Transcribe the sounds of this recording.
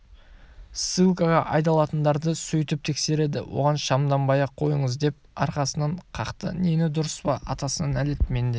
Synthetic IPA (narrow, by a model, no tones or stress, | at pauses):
sɨlˠkɑʁɑʔɑjd̪ɑlˠɑt̪ənd̪ɑɾd̪əsɵjt̪ɪp̚t̪ʰe̞kse̞ɾe̞d̪ɪ̰wo̞̰ʁɑnʃɑmd̪ɑmbɑjɑqʰo̞jəɴəzd̪e̞p̚ɑɾqɑsənɑɴqʰɑqt̪ə̰nenɪd̪ʊɾəspɑɑt̪ɑsənɑnæle̞t̪me̞nd̪e